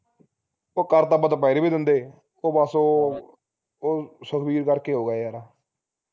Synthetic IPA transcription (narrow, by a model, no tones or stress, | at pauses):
oːkəɾt̪əbət̪paiɾeːbiːd̪ɪnd̪eː | oːbəsoː | oːsəkʰbiːɾkəɾkeːɦoːɡaejaːɾaː